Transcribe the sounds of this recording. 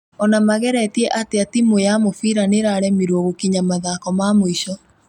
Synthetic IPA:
ɔnamaɣɛɾɛtiɛʔateatimojamofiɾaneɾaɾɛmiɾoɣokiɲamaðaːkɔmamoiʃɔ

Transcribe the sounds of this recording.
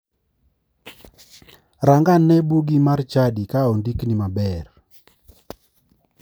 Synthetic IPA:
ɾaŋɡanːɛbuɡimart͡ʃadikaondiknimabɛr

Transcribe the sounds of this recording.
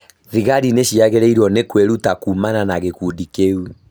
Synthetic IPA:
ɾiɣaɾineʃiaɣeɾɛiɾwɔnekweɾutakumananaɣekudikeu

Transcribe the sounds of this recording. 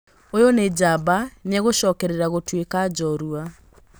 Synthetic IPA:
ojoned͡ʒabaneaɣoʃɔːkɛɾeɾaɣotwekad͡ʒɔɾua

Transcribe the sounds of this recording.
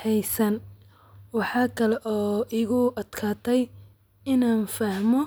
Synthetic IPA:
hɛjsɐn | wɑħɑːkʰɐlɛʔɔːɪɣʊɐd̪̥kʰaːt̪ʰɛj | ɪnaːnfɐhmɔ

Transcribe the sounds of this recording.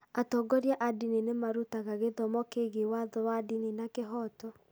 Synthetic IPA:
atɔɡɔɾjaʔadininemaɾutaɣaɣeðɔmɔkeɣewaðɔwadininakeɦɔtɔ

